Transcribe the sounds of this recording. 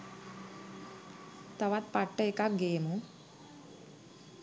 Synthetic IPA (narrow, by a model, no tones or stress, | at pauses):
t̪ɐʋat̪̚pɐʈːɐjkaɡeːmu